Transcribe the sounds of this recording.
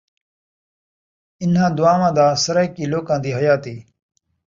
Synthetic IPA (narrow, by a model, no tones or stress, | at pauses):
ɪnɦãːd̪ʊaːmãːd̪aːsɐɾakiːloːkãːd̪iːɦɐjaːt̪iː